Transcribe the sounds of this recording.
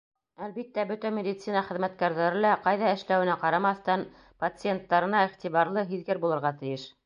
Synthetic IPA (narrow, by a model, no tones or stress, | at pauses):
ælbit̪ːæbɵt̪æmʲed̪ʲit̪sinɑχɘ̆ðmæt̪̚kæɾðæɾɘlæqɑjðɑɘ̆ʃlæwɘ̆næqɑɾɑmɑθt̪ɑn | pɐt̪sɨjent̪ːɑɾɤ̆nɑiχt̪iβɑɾlˠɤɦiðɡɘɾbulˠɤ̆ɾʁɑt̪ɘ̆jɘʃ